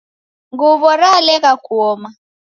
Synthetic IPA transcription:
ŋɡuβɔɾalɛɣakuɔma

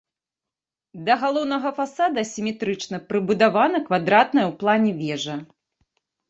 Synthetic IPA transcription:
d̪ɐɣalˠɔwnɐɣɐfasad̪ɐsʲimʲɛt̪ɾɨt͡ʂnɐpɾɨbud̪avanɐkvad̪ɾat̪̚nɐjɛwplˠanʲɛvʲɛʐɐ

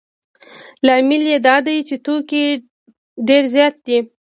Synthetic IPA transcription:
lɑmɪljed̪ɑd̪ajt͡ʃet̪oki | ɖeɾzjɑt̪̚d̪i

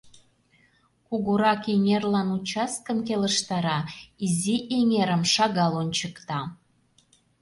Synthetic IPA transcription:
kuɣuɾɑkeŋʲerlɑnut͡ɕɑskəmk̬eləʃt̪ɑɾɑiziʔeŋeɾəmʃɑɣɑlonʲt͡ɕəkt̪ɑ

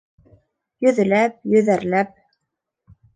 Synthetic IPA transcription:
jɵ̆ðɘ̆læp̚jɵ̆ðæɾlæp̚

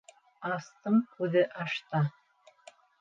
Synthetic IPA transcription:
ɑst̪ɤɴkʉðɘʔɑʃt̪ɑ

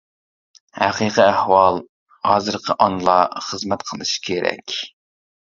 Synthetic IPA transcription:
hæqiqiæhwɑlˠ | hɑːzɨɾqʰəʔɑnlˠɑχəzmɛt̪qʰəlˠɨʃkʲʰeɾɛ̰kʲ

